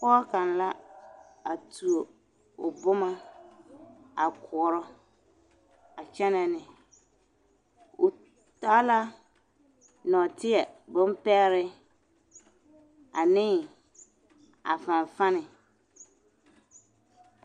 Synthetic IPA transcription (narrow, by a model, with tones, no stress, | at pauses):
kɔ˦ka˨n˨la˦ | a˨tu˨o˨ | ʊ˨bʊ˦ma˦ | a˨kʰʊ˨˦ɾɔ˦ | a˨t͡ʃɛ˦nɛ˨nɪ˨ | ʊ˨ | ta˦la˦ | nɔ˨tɪ˦ɛ˨bʊ˦m˦pɛ˦ɾɪ˦ | a˨nɪ˦ | a̰˨fã˨n˨fa˦nɪ˨